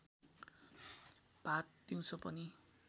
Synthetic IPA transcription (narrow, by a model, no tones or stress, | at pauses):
b̥ʱat̪̚d̪̥iw̃t͡sʰʌpʌni